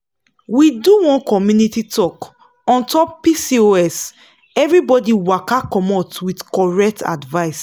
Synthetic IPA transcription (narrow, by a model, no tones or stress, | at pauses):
widuwɔ̃nkɔmjunititʰɔk | ɔ̃ntɔp̚pisioɛs | ɛvɹibɔdiwakakɔmɔtwidkɔɹɛk̚tʰa̰dvaɪs